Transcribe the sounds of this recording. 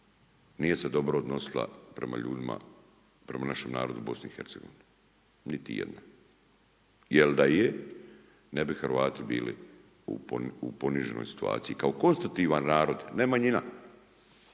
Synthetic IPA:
nije̞se̞d̪o̞bɾoːd̪no̞silˠa̰pɾe̞ma̰ʎṵːd̪ima̰ | pɾe̞manaʃe̞mna̰ːɾo̞d̪ubo̞sniixe̞ɾt̪seɡo̞ʋini | nit̪ijḛd̪na | jeld̪aje | nebixɾʋaːt̪ibiːlḭ | ṵupo̞niʒeno̰jsi̥t̪ua̰ːt̪sijikaoko̞nst̪at̪iːʋanːaːɾo̞d̪nemaɲina

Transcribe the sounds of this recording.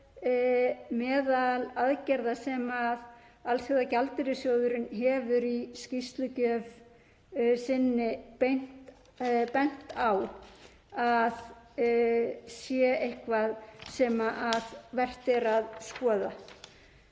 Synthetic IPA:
mɛːðalaðcɛɾðasɛmað | alsiɣðacalt̪ɪɾɪsjoːwðʏɾʏnɦɛvʏɾiscist̪lʏcœv | sɪnːɪpejn̥t̪ | pɛn̥t̪aw | að | sjɛejhkvaðsɛmaʔaðvɛr̥t̪ɪɾaðskɔːða

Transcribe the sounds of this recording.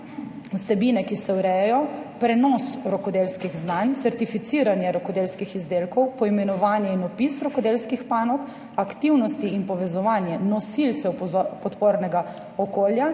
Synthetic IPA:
wsɛbiːnɛkisɛwɾɛjɛjɔpɾɛnɔsɾɔkɔd̪elskiɣznant̪sɛɾt̪ifit̪iːɾanjɛɾɔkɔd̪eːlskixizd̪eːlkɔwpɔimɛnɔʋaːnjɛinɔpisɾɔkɔd̪elskixpaːnɔk | akt̪iwnɔst̪iːnpɔʋɛzɔʋanjɛnɔsilt̪sɛwpɔt̪poːɾnɛɡa | ɔkoːlja

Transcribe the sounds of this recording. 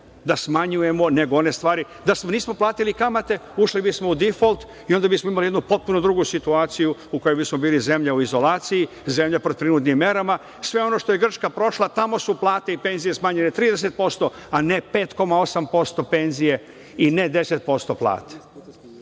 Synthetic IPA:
d̪asmaɲuje̞mo̞ne̞ɡoo̞ne̞st̪ʋaːɾi | d̪asmoniːsmo̞plˠaːt̪ilikamat̪e̞uʃlibismo̞ud̪ifolˠt̪ | io̞nd̪abismoimalijed̪nupo̞t̪̚puno̞d̪ɾuɡusit̪uaːt̪sijuuko̞jobismo̞biːlize̞mʎauizo̞laːt̪siji | ze̞mʎapɾot̪ɾinuːt̪nimːe̞ɾama | sʋe̞o̞no̞ʃt̪o̞je̞ɡr̩t͡ʃkapɾo̞ʃlˠat̪amo̞suplˠaːt̪eipe̞nzije̞smaːɲenet̪ɾiːd̪es̬e̞t̪̚po̞st̪o̞ane̞pe̞ːt̪ko̞mao̞sampo̞st̪o̞pe̞nzije | ine̞d̪e̞set̪̚po̞st̪o̞plˠa̰ːt̪e̥

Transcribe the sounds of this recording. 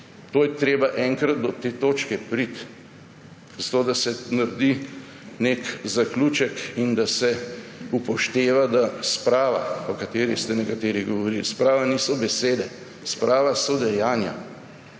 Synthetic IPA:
t̪oːjɛt̪ɾeːbaʔɛŋkɾad̪d̪ɔt̪eːt̪oːt͡ʃkɛpɾit̪ | zat̪oːd̪asɛnaɾd̪i | nekzakluːt͡ʃɛkind̪asɛupɔʃt̪eːʋad̪aspɾaːʋa̰ɔkat̪eːɾist̪ɛnɛkat̪eːɾiɣɡɔʋɔɾilspɾaːʋaniːsɔbɛseːd̪ɛ | spɾʔaːʋasɔd̪ɛjaːnja̰

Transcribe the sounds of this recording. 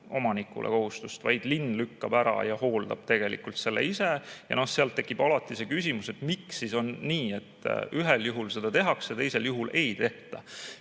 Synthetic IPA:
ʔomɑnikːˑṵlʔeko̞ɦust̪ust̪vɑjd̪̥linːlykːɑb̥æɾɑ̰jɑho̞ːld̪ɑ̰b̥̚t̪e̞ɡ̥e̞lḭkult̪se̞lːḛisejɑ̰no̞hse̞ɑlt̪ːe̞kːˑib̥ɑlɑt̪ːˑise̞kysʲimuse̞t̪miksiso̞nːiːe̞t̪ːˑyɦeljuɦulse̞d̪̥ɑt̪e̞ɦɑksjɑt̪e̞jse̞ljuɦulʔe̞jt̪e̞ht̪ɑ

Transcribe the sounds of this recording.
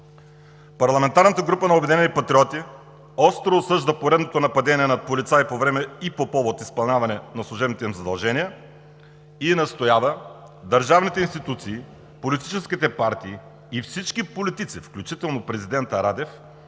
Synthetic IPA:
pɐɾlˠɐmɛnt̪aɾnət̪əɡɾupənɐobɛd̪inɛnipɐt̪ɾiɔt̪i | ɔst̪ɾoːsɤʒd̪əpoɾɛd̪not̪onɐpɐd̪ɛniɛnɐt̪̚polit̪saipovɾɛmɛipopɔvot̪ispɐlˠnʲavɐnɛnɐslˠʊʒɛbnit̪ɛimzɐd̪ɐlˠʒɛnijə | inɐst̪ojavə | d̪ɐɾʒavnit̪ɛinst̪it̪ut̪siː | polit̪i̥t͡ʃɛsk̟it̪ɛpaɾt̪iː | fsit͡ʃkipolit̪it̪sifklʲut͡ʃit̪ɛlˠnopɾɛzid̪ɛnt̪ɐɾad̪ɛf

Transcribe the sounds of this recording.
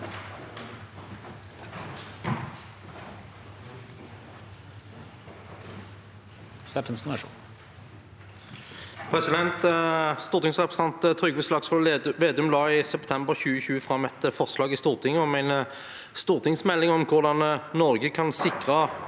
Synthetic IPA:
sɛpənsnɑʂṵːn | pʰʁɛsɪd̪ɛnt̪st̪uːʁt̪ɪŋsʁɛpʁəsɑnt̪ət̪ʰʁʏɡʋəslɑksɔʋeːd̪ʉmlɑːɪsɛpt̪ʰɛmbəʁçʉːəçʉːəfʁɑmːɛt̪əfɔʁslɑːɡɪst̪uːʁt̪ʰɪŋːəɔmæɪnə | st̪uːʁt̪ʰɪŋsmɛlːɪŋɔmkʰʊʁd̪ɑnnɔʁɡəkʰɑnsɪkʁə

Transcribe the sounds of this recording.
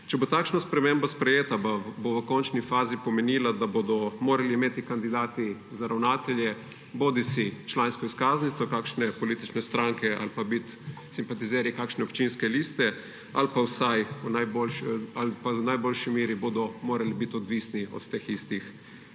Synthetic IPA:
t͡ʃɛbot̪aːkʃnaspɾɛmembaspɾɛjeːt̪ababoʋəkɔnt͡ʃnifaːzipɔmɛniːlad̪abod̪ɔmoːɾaliːmeːt̪ikand̪id̪aːt̪i | zaɾawnaːt̪ɛljɛ | boːd̪isit͡ʃlaːnskɔiskaːznit̪sɔkaːkʃnɛpɔliːt̪it͡ʃnɛst̪ɾaŋkɛʔa̰lpabit̪ | simpat̪iziːɾaikakʃnɛɔpt͡ʃinskɛlist̪ɛ | a̰lpawsajunajbolʃalpawnajboːlʃimeːɾiboːd̪ɔmoːɾalibit̪ɔd̪ʋisniɔ̰t̪ːexist̪ix

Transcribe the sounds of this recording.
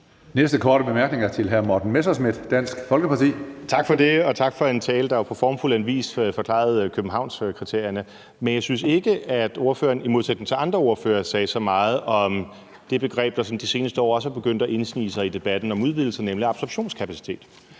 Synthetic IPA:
nesd̥əkʰɒːɾəb̥emæɐɡ̥ne̝ŋɐt͡sʰe̝lɦæɐmɒd̥n̩mesɐsmid̥d̥æn̰sɡ̥fɒ̽lɡ̥əpʰɑ̈t͡sʰḭːt͡sʰɑ̈ɡ̥fɒd̥e̝ɒ̽t͡sʰɑ̈ɡ̥fɒ̽e̝nt͡sʰɛːləd̥ɑ̈ʋɑpʰɒ̽fɒːmfulænʋḭːsfɒ̽kʰlɑ̰̈ð̞̩ˠkʰøb̥n̩ɦɑ̈ʊ̰nskʰʁit͡sʰe̝ɐ̰jɐnə | menjɑ̈ɪsynse̝ɡ̥əæd̥o̝ɐfø̰ːɐnimo̝ð̞ˠsed̥neŋ̩t͡sʰe̝ɑ̈nd̥ʁɐo̝ɐfø̰ːɐsɛːsɒ̽mɑ̈ːð̞̩ˠɒ̽m | d̥e̝b̥e̝ɡ̥ʁɛ̰ːb̥̚d̥ɑ̈sɒ̽nd̥ise̝ːnəsd̥əɒ̰ːɒ̽səb̥e̝ɡ̥øn̰d̥æʔe̝nsnḭːsɑ̈ɪid̥e̝b̥æd̥n̩ɒ̽muð̞ˠʋiðˠl̩sɐnemliɑ̈b̥sɒ̽b̥ɕo̝̰ːnskʰæpʰæsi̥t͡sʰe̝̰ːd̥

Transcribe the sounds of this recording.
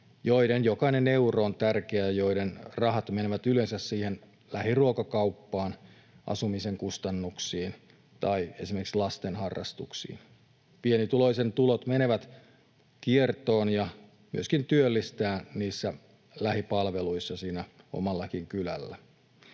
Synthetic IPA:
joidenjokɑinene̞uroːnt̪ærkeæjjo̞idenrɑhɑt̪meneʋæt̪ylensæssiːhen | læhiruokɑkɑupːɑːn | ʔɑ̰sumiseŋkust̪ɑnːuksiːn | t̪ɑie̞̰simerkslɑst̪enhɑrːɑ̰st̪uksḭːn | pienit̪ulo̞isent̪ulot̪mene̞ʋæt̪ | kiert̪oːnjɑ | my̰øskint̪yølːist̪æːniːsːæ | læhipɑlʋeluisːɑsiːnæ | o̰mɑlːɑkiŋkylæ̰lːæ

